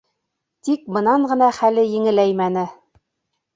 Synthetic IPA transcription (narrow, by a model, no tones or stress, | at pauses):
t̪ik̚bɤ̆nɑɴɢɤ̆nɑχælɘjɘ̆ŋɘ̆læjmænɘ